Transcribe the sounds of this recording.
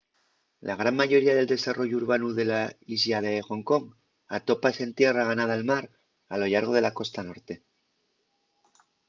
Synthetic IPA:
lʔaɣ̞ɾaŋmaʝo̞ɾiaðe̞ld̪e̞saro̞ʝuuɾβanuðe̞laisʎaðexo̞ŋko̞ŋ | at̪o̞pase̞nt̪je̞raɣanaðalmaɾ | alo̞ʎaɾɣ̞o̞ð̞e̞lako̞st̪ano̞ɾt̪e̞

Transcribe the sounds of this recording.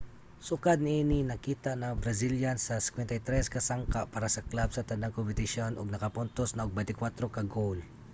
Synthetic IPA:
sʊkad̪̚nɪʔinɪnɐkiːt̪aʔnɐŋbɾɐsiljansɐsɪ̥kwɛnt̪ajt̪ɾɛskɐsaŋkaʔpaːɾasɐklabsɐt̪ɐnaŋkompɪt̪ɪʃonʔʊɡ̚nɐkapʊnt̪osnɐʊɡ̚bɛnt̪ɪkwat̪ɾokɐɡol

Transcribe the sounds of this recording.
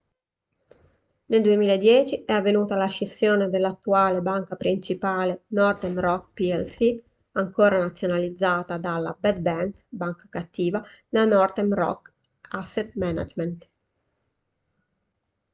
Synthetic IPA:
neld̪uemiːlaed̪jɛːt͡ʃiɛavːenuːt̪alaʃesːjoːned̪elːat̪ːuaːlebaŋkapɾint͡ʃipaːlenɔrt̪emrɔkpiɛlsi | aŋkoːɾanat̪sːjonalid̪zːaːt̪ad̪alːa̰bɛd̪bɛŋkbaŋkḁkat̪ːiːvanelanɔrt̪emɾɔ̰k | asːet̪̚mɛna̰d͡ʒment̪

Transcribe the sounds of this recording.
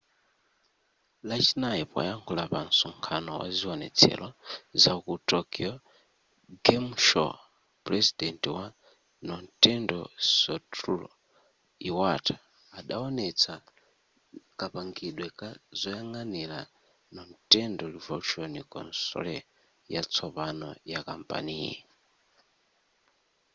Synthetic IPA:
lat͡ʃinajipwa̰jaŋkʰulapansuŋkʰanɔwa̰ziɔnɛ̰t͡sʰɛ̰lɔzakutɔkiɔ | ɡɛmʃɔ̰ | pɾɛzidɛntiwa | nɔntɛndɔsɔtulɔ | iwatḁː | ɗaɔnɛt͡sʰa | kapaŋɡiɗwɛkazɔjaŋanɛɾa | nɔntɛndɔlivɔlt͡ʃonikɔ̰nsɔ̰lɛ | jat͡sʰɔpanɔ̰jakampʼa̰niːjɛ

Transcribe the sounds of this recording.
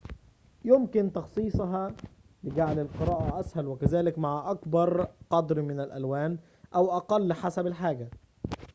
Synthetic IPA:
jʊmkɪnt̪ɑxsˤiːsˤɑɦɑ | lɪɡaʕlɪlqɨɾˤɑːʔæʔæshælwɪkæzæːlɪkmaʕaʔakbɑɾˤqɑd̪ɾmɪnɪlʔæ̰lwæːn | ʔawʔɑqɑlːħasabɪlħaːɡa

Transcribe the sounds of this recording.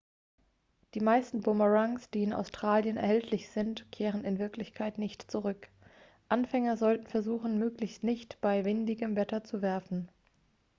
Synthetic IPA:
d̥iːmaɪstn̩bʊmɐʁaŋsd̥iːɪna̰ʊstʁ̥aːljənɛ̰ɐhɛltʰlɪçz̥ɪntkʰeːʁ̞ənɪnvɪɐklɪçkʰaɪtnɪçtt͡suʁʏk | ʔanfɛŋɐzɔltn̩fɛɐzuːxn̩møːklɪçstnɪçtb̥aɪvɪndɪɡəmvɛtɐt͡suvɛɐfn̩

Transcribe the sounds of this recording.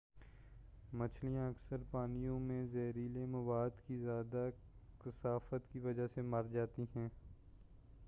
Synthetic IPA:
mɐt͡ʃʰlijãɐksəɾpaːnijõmẽzɛːɾiːlemɐʋaːd̪kizjaːd̪a | kɪsaːfət̪kiʋɐd͡ʒasemɐɾd͡ʒaːt̪iɦɛ̃ː

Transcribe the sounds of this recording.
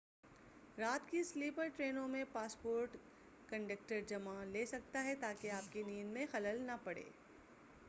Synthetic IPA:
ɾaːt̪kisliːpəɾʈɾeːnõmẽpaːspoːɾʈ | kɐ̃ɳɖək̚ʈəɾd͡ʒɐmaleːsɐk̚t̪aɦɛt̪aːkeaːp̚keniːnmẽxɐləlnɐpɐɽḛː

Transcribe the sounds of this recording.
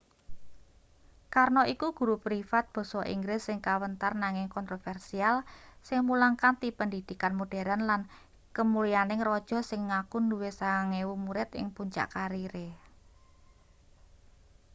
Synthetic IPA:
karnoʔikuɡ̥ṳɾupɾifat̪̚b̥ɔ̤sɔʔḭŋɡɾɪsːɪŋkawənt̪arnaŋɪŋkɔnt̪ɾofɛrsialsɪŋmulaŋkant̪ipəndid̪̥i̤kanmuɖ̥e̤ɾanlan | kəmulianɪŋrɔd̥ʒ̥ɔ̤sɪŋːakunduwesaaŋewumuɾɪt̪ɪ̰ŋpuɲt͡ʃa̰ʔkaɾiɾe

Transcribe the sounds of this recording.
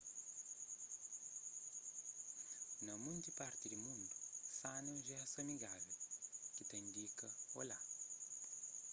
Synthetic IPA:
nɐmũnt̪ipaɾt̪ɪd̪ɪmũnd̪usanɐʒɛsɐmiɡavɐkɪt̪ɐ̃j̃d̪ikɐola

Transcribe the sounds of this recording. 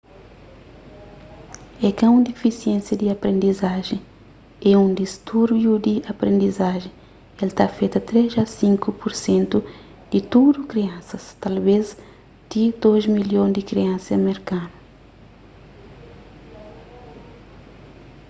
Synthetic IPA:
ɛkãũnd̪ifisiẽsjɐd̪iapɾẽnd̪izaʒẽ | ɛũd̪ist̪uɾbjud̪iapɾẽnd̪izaʒẽ | elt̪afejt̪ɐt̪ɾezɐsĩŋkupuɾsẽnt̪u | d̪̥it̪ud̪ukɾiɐ̃nsɐst̪alvez | t̪id̪ozmiljõd̪ikɾiɐ̃sɐmeɾkãnu

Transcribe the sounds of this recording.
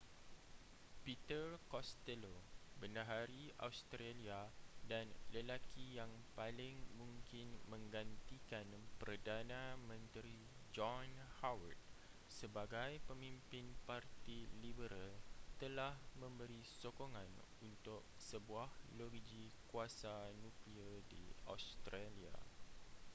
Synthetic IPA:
pit̪ərkɔst̪ɛlobəndaɦaɾia̰wst̪ɾaliadanləlakijaŋpalɪŋmũŋkɪnmə̃ŋɡant̪ikanpərdanãmə̃nt̪ɾi | d͡ʒɔnhawə̰t̪̚ | səbaɡajpəmĩmpɪnpart̪ilibəɾalt̪əlahmə̃mbəɾisokoŋãn | unt̪ʊk̚səbuahloɡd͡ʒikuasanũkliədḭa̰wst̪ɾalia̰

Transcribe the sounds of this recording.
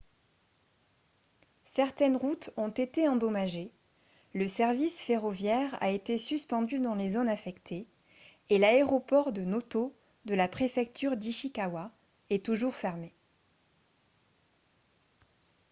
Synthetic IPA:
sɛʁt̪ɛnʁut̪ɔ̃t̪et̪eɑ̃d̪ɔmaʒe | ləsɛʁvisfeʁɔvjɛʁa̰et̪esyspɑ̃d̪yd̪ɑ̃lezonafɛkt̪ʰeː | laeʁɔpɔʁd̪ənot̪o | d̪əlapχefɛk̚t̪ʰyʁd̪iʃikawa | ɛt̪uʒuʁfɛʁme

